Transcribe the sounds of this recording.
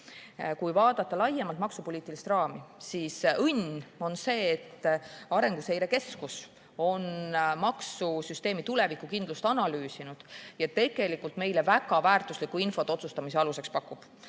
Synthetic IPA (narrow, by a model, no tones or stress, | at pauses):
kujvɑːd̪̥ɑt̪ːˑɑlɑjemɑlt̪mɑksupoliːt̪ːˑilist̪rɑːmisisɤno̞nse̞ːt̪ːɑɾe̞ŋɡ̥use̞jɾe̞ke̞skus | o̞nmɑksusyst̪e̞ːmit̪ule̞vikːˑukind̪lust̪ɑnɑlyːsinud̪̥jɑt̪ːe̞ɡ̥e̞likːult̪me̞jle̞væɡ̥ɑvæːrt̪ˑuslikːˑuinfo̞t̪ːo̞t̪sust̪ɑmis̬e̞ɑluse̞kspɑkːˑub̥